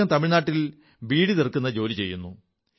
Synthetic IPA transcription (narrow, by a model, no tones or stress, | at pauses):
aːmt̪ɐmiɻnaːʈːil | biːɽit̪erkːunːɐd͡ʑo̞ːlit͡ɕe̞̰jːunːu